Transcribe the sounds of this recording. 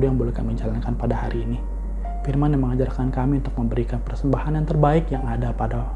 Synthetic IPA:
dujaŋbolɛhka̰mid͡ʒalankanpadaha̰ɾiːni | firmandaməŋad͡ʒarkankamiunt̪ʊk̚məmbəɾikanpərsəmbahanjaŋt̪ərbaɪkjaŋadapada

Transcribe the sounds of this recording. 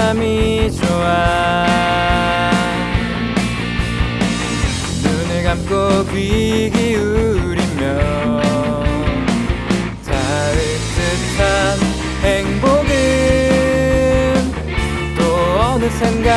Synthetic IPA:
mit͡ɕoa | nuneɡamk͈okɥiɡiɯɾimjʌ | n | t͡ɕa | ɾe | t͈ɯ | tʰan | heŋboɡɯ | n | t̪͈oʌnɯnsʰeŋɡa

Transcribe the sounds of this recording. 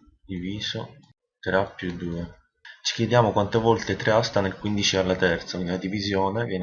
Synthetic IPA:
d̪iviːzo | t̪ɾeapːjud̪ːuːe | t͡ʃi̥kjed̪jaːmokwant̪evɔlt̪et̪ɾeast̪anelkwind̪it͡ʃialːat̪ɛrt̪sakind̪ilad̪ivizjoːnevjɛn

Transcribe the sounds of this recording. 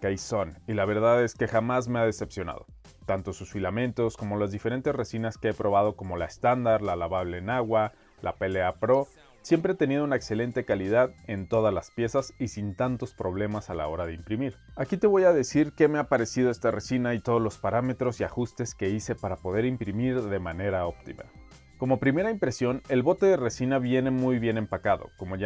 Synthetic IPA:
kajso̞nilaβ̞e̞ɾðaðe̞ske̞xamazme̞að̞e̞se̞psjo̞na̰ðo̞̰ | t̪ant̪o̞susfilamẽ̞nt̪o̞sko̞mo̞lazðife̞ɾe̞nt̪e̞zresinaske̞e̞pɾo̞β̞að̞o̞ko̞mo̞laest̪and̪aɾlalaβaβle̞ːnaɣwa | lʔa̰pe̞leapɾo̞ | sje̞mpɾe̞et̪e̞nið̞o̞unaekse̞le̞nt̪e̞kaliðaðe̞nt̪o̞ð̞azlaspje̞sasisint̪ant̪o̞spɾo̞β̞le̞masala̰o̞ɾaðe̞impɾimiɾakit̪e̞βo̞jaðe̞siɾke̞me̞apaɾe̞siðo̞e̞st̪aresinait̪o̞ð̞ozlo̞spaɾame̞t̪ɾo̞siaxust̪e̞ske̞ise̞paɾapo̞ðe̞ɾimpɾimiɾðe̞mane̞ɾao̞pt̪ima̰ | ko̞mo̞pɾime̞ɾaimpɾe̞sjo̞ne̞lβo̞t̪e̞ðe̞re̞sinaβje̞ne̞mujβje̞ne̞mpakaðo̞̰ko̞mo̞ʝa

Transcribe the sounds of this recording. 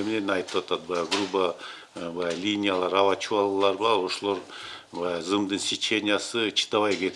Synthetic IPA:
emnenɑjt̪ɯʋat̪ɑt̪̚bɑjaɡrubə | bɑjalʲinʲijalˠɑɾavat͡ʃʰuɑlˠʁlˠɑɾbɑo̞ʃolˠo̞ɾbɑjazɨmd̪ɨnsʲet͡ʃenʲɪjasɨt͡ʃʰi̥t̪ɑβɑjkʲet̪

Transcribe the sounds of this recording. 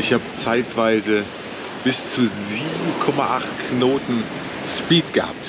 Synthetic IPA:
ɪçhaːbət͡saɪtv̥aɪzə | b̥ɪst͡suziːbm̩kʰɔmaʔaχtknoːtn̩ | ʃpiːtɡ̥əha̰ːp̚t

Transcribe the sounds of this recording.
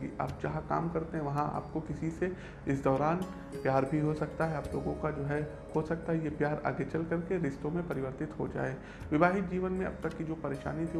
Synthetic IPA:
ɡḭʔa̰ːp̚d͡ʒɐɦãka̰ːmkɐɾt̪eɦɛ̃ʋɐɦãa̰ːp̚kokɪsise | ɪsd̪ɔːɾaːn | pjaːɾbʱiɦosɐk̚t̪aɦɛaːploːɡõkad͡ʒoːɦɛ | hosɐk̚t̪aɦɛjepjaːɾa̰ːɡet͡ʃɐlkɐɾkeɾɪst̪õmẽpɐɾɪʋəɾt̪ɪt̪ɦod͡ʒa̰ːeː | ʋɪbaːɦɪt̪̚d͡ʒiːʋənmẽɐ̰b̚t̪ɐkːid͡ʒoːpɐɾeːʃa̰ːnit̪ʰi

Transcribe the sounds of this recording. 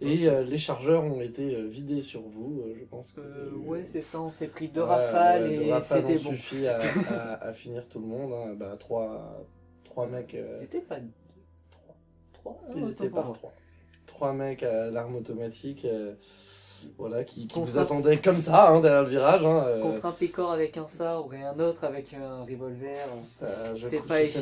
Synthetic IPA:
eøleʃaʁʒœʁɔ̃et̪eøvid̪esyʁvuøʒəpɑ̃skəwɛsɛssɛpχid̪əʁaafald̪əʁaalɔ̃ssyfiaaa̰finiʁt̪ulmɔ̃d̪ɛ̃bat̪χwa | t̪χwamɛkø̰set̪ɛpa | t̪χwa | t̪χwaiet̪ɛpaʁt̪χwa | t̪χwamɛkalaʁmot̪ɔmat̪ʰikø | vwalakʲʰikʰʲĩvuzat̪ɑ̃d̪ɛkɔmsaɛ̃d̪ɛʁjɛʁləviʁaʒɛ̃økɔ̃t̪χɛ̃pekɔʁavɛkɛ̃sabʁeɛ̃not̪χavɛkːʁevɔlvɛʁaʒəsɛpa

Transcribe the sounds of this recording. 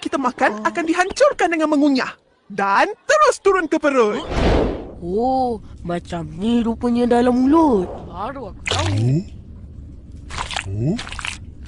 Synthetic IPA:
kit̪amakanakandiɦaɲt͡ʃʊrkandəŋanməŋuɲah | dant̪əɾʊst̪uɾʊnkəpəɾʊn | o | mat͡ʃamniɾupəɲadalamulut̪̚baɾuaka | o

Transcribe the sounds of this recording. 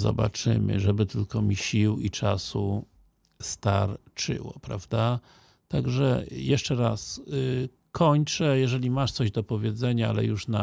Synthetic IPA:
zɔ̰ba̰t͡ʂɘ̰mɘ̰ʐɛbɘt̪ɘlkɔmʲiɕiwit͡ʂasu | st̪aɾt͡ʂɘ̰wɔ̰pɾavd̪a | t̪aɡʐɛjɛʂt͡ʂɛɾas | kʰɔɲt͡ʂɛjɛʐɛlʲimaʂt̪sɔʑd̪ɔpɔvʲjɛd̪zɛɲaalɛ̰juʂna

